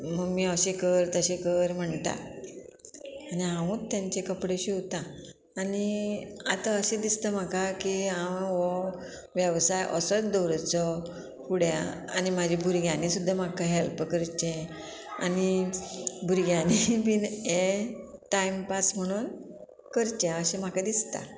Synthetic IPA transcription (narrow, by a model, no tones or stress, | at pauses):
m̤əɡmiːəɕekəɾt̪əɕẽkəɾm̤əɳt̪a̰ | niɦãũt̪ːjãɲt͡ɕekəpɽeɕiɦot̪ãː | niat̪əəɕed̪ist̪əm̤akakiɦãwʋɔ | ʋjəʋsajʔɔ̰sət̪d̪ɔwɾt͡sɔ | puɽja̰a̰nimad͡ʑʱibʱuɾɡjanisud̪ʱːamakəɦɛlpkəɾt͡ɕẽ | a̰ni | bʱuɾɡjãnibineʈaimpasm̤əɽ̃uːn | kəɾt͡ɕẽəɕẽm̤akad̪ist̪a̰